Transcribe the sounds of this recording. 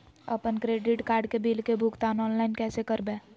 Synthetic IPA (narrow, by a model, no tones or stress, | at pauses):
ə̰pənkɾeːɖɪʈkaːɾɖkebilkebʱukt̪aːnɔːnlaːɪnkɛːsekəɾbẽ